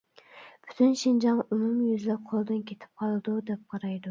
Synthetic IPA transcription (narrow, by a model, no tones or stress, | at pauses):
b̥y̥t̪ʰynʃind͡ʒɑŋymumjyzlæqʰolˠɨd̪ɨnkʲʰet̪ʰɪ̥p̚qʰɑlˠɨd̪ud̪ɛp̚qʰɑɾɑjd̪u